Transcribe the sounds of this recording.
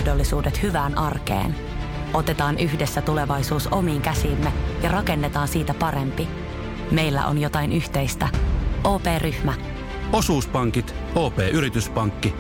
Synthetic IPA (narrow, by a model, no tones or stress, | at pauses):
hdolːisuːdet̪hyʋæːnʔɑrkḛːn | ʔo̞t̪e̞t̪ɑːnʔyçdesːæt̪ule̞ʋɑjsuːso̞miːŋkæsiːmːejɑrɑke̞nːet̪ɑːnsiːt̪æpɑɾe̞mpi | me̞jlːæ̰ʔo̰njo̞t̪ɑinʔyht̪e̞jst̪æʔoːpe̞ːrʔyhmæ | o̞suːspɑŋkit̪ | oːpeːʔyɾit̪yspɑŋkːi